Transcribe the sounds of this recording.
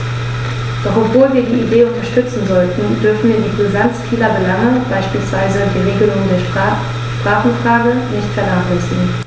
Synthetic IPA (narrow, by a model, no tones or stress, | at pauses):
d̥ɔχɔpv̥oːlviːɐdiːideːʊntɐʃtʏt͡sn̩zɔltn̩d̥ʏɐfn̩viːɐdiːpəzansfiːlɐbəlaŋəbaɪʃpiːlsv̥aɪzədiːʁeːɡəlʊŋəndeːɐʃ | ʃpʁ̥aːχn̩fʁ̥aːɡənɪçtfɛɐnaːχlɛsɪŋ̩